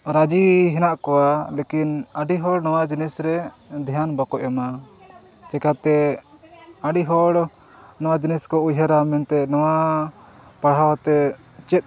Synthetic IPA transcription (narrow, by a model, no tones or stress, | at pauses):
ɾad͡ʒiɦɛnaʔkɔwalekinaɖiɦɔɽnɔwad͡ʒinisɾɛ | d̪ʱijanbakɔʔjama | t͡ʃɛkat̪ɛ | aɖiɦɔɽ | nɔwad͡ʒiniskɔujɦaɾamɛnt̪ɛnɔwa | paɽɦawat̪ɛ | t͡ʃɛt̪̚